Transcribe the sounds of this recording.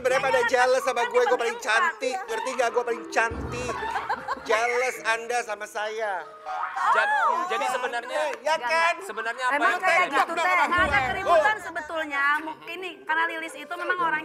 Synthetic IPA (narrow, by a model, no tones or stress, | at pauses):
səbəɾapadad͡ʒaləsambaɡuaɡuapalɪŋt͡ʃant̪ikərt̪iŋɡaɡuapalɪŋt͡ʃant̪i | d͡ʒaləsandasamasaja | d͡ʒat̪d͡ʒadisəbənarɲajakanssəbənarɲamemmasaaaɡt̪uaakəɾibut̪ansəbət̪ulɲamuŋkɪnːɪhkarnalilɪsit̪umemaŋoɾaŋ